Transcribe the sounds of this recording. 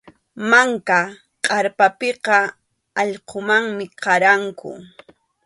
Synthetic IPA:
maŋka | qʼɑɾpapɪqɑ | ɑʎqʰomaŋmɪqɑɾaŋkʊ̰

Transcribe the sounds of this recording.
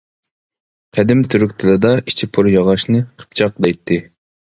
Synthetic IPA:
qʰæd̪ɪmt̪ʰyɾykʲt̪ʰɨlɨd̪ɑit͡ʃʰipʰuɾjɑʁɑʃnɨqʰə̥p̚t͡ʃʰɑq̚d̪ɛjt̪ʰːɪ

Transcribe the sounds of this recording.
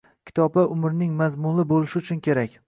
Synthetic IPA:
kʲʰɪ̥t̪ʰɒbaʔʊmɪɾnɪŋmazmʊlɪbolɪʃɪʊt͡ʃʰʊnkʲe̞ɾakʲ

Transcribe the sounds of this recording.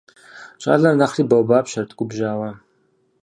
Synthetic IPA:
t͡ʃʼa̰ɮarnaχribawbapʰʃartʰkʷʼʊbʒaːwa

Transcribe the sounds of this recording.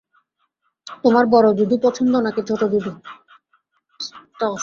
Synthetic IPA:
t̪omaɾbɔɾod̪ud̪ʱupɔt͡ʃʰond̪onaked͡ʑʱoʈod̪ud̪ʱu | t̪ɔ

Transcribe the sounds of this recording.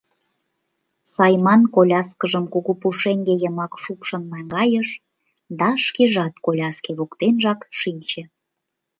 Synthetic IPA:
sɑjmɑnkolʲɑskəʒəmkuɣupuʃeŋɡejəmɑkʃupʃənmæŋɡɑjəʃ | d̪ɑʃkiʒɑt̪kolʲɑskeβukt̪enʒɑkʃinʲt͡ɕe

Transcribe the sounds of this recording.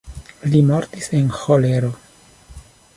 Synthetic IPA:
limo̞ɾtisenxoleɾo̞

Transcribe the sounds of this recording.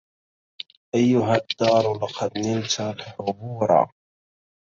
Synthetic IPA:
ʔajːʊɦad̪ːɑːɾˤlɑqʰɑd̪nɪlt̪alħʊbuːɾˤɑ̰

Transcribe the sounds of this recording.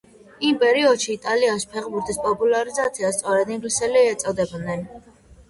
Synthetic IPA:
impʼɛɾiɔd̪ʃiːt̪ʼalianʃi̥pʰɛχbuɾt̪ʰʼispʼɔpʼulaɾizat̪sʰiast̪sʼɔɾɛd̪iŋɡlisɛliɛt̪sʼɔd̪ɛb̪nɛn

